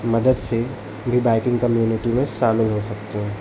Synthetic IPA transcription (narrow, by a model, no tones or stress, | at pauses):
mɐd̪əd̪se | bʱibaːɪkɪ̃ŋɡkɐmjuːnɪʈimẽʃaːmɪlɦosɐk̚t̪eɦɛ̃ː